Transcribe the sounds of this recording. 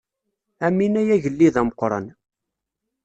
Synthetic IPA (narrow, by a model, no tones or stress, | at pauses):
æmːinæjæʝəlːiðæməqːɾˤə̰n